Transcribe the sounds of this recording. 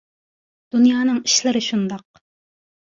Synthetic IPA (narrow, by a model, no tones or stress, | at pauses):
d̪̥unjɑːnɨŋiʃlˠɪɾɪʃund̪ɑq